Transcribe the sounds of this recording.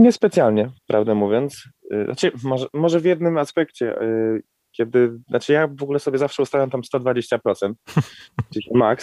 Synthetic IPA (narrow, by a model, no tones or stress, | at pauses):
ɲɛspɛt̪sjalɲɛpɾʔavd̪amuvʲjɔnt̪sa̰t͡ʂɘmɔʐɛmɔʐɛvʲjɛd̪nɘmaspɛkt͡ɕɛ̰ | kʲjɛd̪ɘnat͡ʂɘjavɔɡulɛsɔbʲjɛzafʂɛust̪avjamt̪amst̪ɔd̪vad͡ʑeɕt͡ɕapɾɔt̪sɛnt̪̚d͡ʑeɕɛmaks